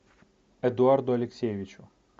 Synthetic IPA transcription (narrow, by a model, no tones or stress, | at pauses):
ɛd̪ʊard̪ʊɐlʲeksʲejʋʲɪt͡ʃʊ